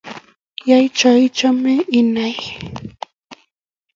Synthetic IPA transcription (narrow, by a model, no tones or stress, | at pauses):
jajt͡ʃajt͡ʃamɪʔɪnaj